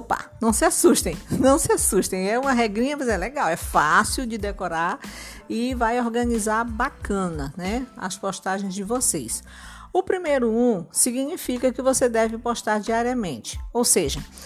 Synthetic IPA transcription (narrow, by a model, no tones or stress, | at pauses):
pa̰nɐ̃w̃sɪasuʃt̪ẽj̃nɐ̃w̃sɪasuʃt̪ẽj̃ɛũmɐɦɛɡɾĩɲɐvesɛlɛɡawɛfasiwd͡ʒɪd̪ekoɾaɾ | ɪvajoɾɡɐ̃nizaɾbakɐ̃nɐnɛɐ̰spoʃt̪aʒẽj̃zd͡ʒɪvosejs | ʊpɾimejɾʊũsiɡiɲifikɐkɪvosed̪ɛvɪpoʃt̪aɾd͡ʒiaɾiɐmẽnt͡ʃɪ̥owseʒɐ